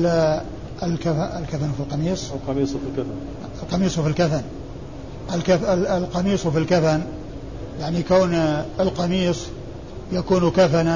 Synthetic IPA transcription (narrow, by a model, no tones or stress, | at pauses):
ɪlkafaɪlkafanfilqɑmiːsˤlqɑmiːsˤfilkafan | ɪlqɑmiːsˤwfilkafan | ʔɪlkalqɑmiːsˤfilkafan | jaʕnikaːnɪlqɑmiːsˤ | jakuːnkafana